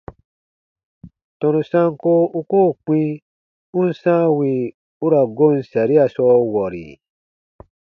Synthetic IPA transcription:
tɔ̃˧nũ˧sã˦ŋ˦ko˦u˦koː˦˨k͡pĩ˧ | u˦n̩˦sãː˦wi˧˨ | u˦ɾa˨ɡo˦˨n̩˦sa˨ɾi˦a˨sɔː˧˦wɔ˨ɾḭ˨

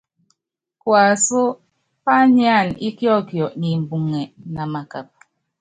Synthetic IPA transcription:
kwa˨so˦ | pa˦ɲi˦a˦˨ni˦kjɔ˦kjɔ˨ʔni˨m˨bu˨ŋɛ˨na˨ma˨ka˨p̚

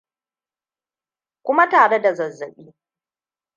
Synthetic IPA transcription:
kʷʊ˦ma˦taː˨ɽe˦da˨zɐ˨zːɐ˨ɓiː˦

